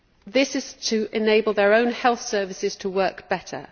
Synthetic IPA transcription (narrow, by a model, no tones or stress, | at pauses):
ðɪsɪz̥tʰəʔɪneɪbəlˠðəɹə̃ʊ̃nhɛlˠθsɜːvɪsɪz̥tʰəwɜˑkb̥ɛtʰə̰